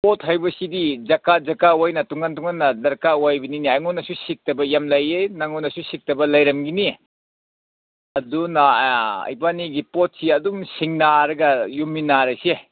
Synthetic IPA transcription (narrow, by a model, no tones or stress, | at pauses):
pot̚hajbɐsidid͡ʒɐkad͡ʒɐkawajnɐtuŋantuŋanːɐdɐɾkawajbininiajŋɔnːɐsusik̚tɐbɐjamlajenaŋɔnɐsusik̚tɐbɐlajɾɐmɡini | ɐdunaɐ̰jbaniɡipot̚siɐdumsiŋnaɾɐɡɐjuminaɾɐse